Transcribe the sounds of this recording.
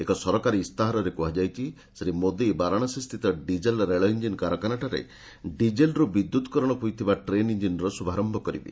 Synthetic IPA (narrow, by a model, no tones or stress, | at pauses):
ekɔsɔɾɔkaɾist̪aɦaɾɔɾekuɦad͡ʒajt͡ʃʰi | sɾimod̪ejbaɾaɽ̃ɔsist̪ʰit̪ɔɖid͡ʒelɾeɭɔiɲd͡ʒinkaɾɔkanaʈaɾḛ | ɖid͡ʒelɾubid̪ːut̪kɔɾɔɽ̃ɔpujt̪ʰibaʈɾeniɲd͡ʒinɾɔsubʱaɾɔmbɔkɔɾḭbḭ